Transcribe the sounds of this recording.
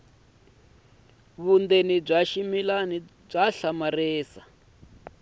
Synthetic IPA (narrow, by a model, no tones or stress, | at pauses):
βund̪enib͡ʐaʃimilani | b͡ʐaɬamareːsa